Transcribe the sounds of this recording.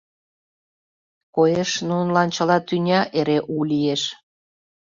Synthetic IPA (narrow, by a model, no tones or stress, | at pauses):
kojeʃnunlɑnt͡ɕə̆lɑt̪ynʲɑʔeɾeʔulieʃ